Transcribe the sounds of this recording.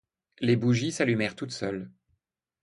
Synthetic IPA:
lebuʒisalymɛʁt̪ut̪sœl

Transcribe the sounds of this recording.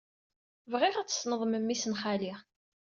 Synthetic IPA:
vʁɪʁat͡sːə̥snəðˤməmːisənχaliʁ

